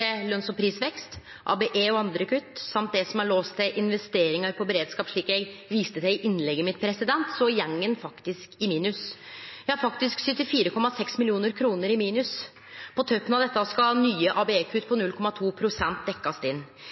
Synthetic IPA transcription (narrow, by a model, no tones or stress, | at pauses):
ɛlœnsɔmpʰɾiːsʋɛkst̪ | ʔɑ̰ːbɛʔeːɔɑnd̪ɾəkʉt̪ːsɑmt̪̚d̪ɛsɔmɑɭoːst̪ʰɪʔɪnʋɛst̪eːɾɪŋəɾpʰɔbɛɾeːd̪skɑːpʂɭiːkjɛɪɡʋiːst̪əd̪ɛɪɪʔɪnlɛɡːəmɪt̪pʰɾɛsɪd̪ɛnt̪sɔjɛŋːənfɑkt̪ɪskɪmiːnʉsjæɪhɑɾfɑkt̪ɪsksʏt̪ːɪfiːɾəkʰɔmːɑsɛksmɪlɪuːnəɾkʰɾuːnəɾɪmiːnʉs | pʰɔt̪ʰœpːənɑʋd̪ɛt̪ːəskɑnyːəʔɑːbeeːkʰʉt̪ːpʰɔnʉlkʰɔmɑt̪ʰuːpʰɾʊsɛnt̪̚d̪ɛkːɑst̪ɪnː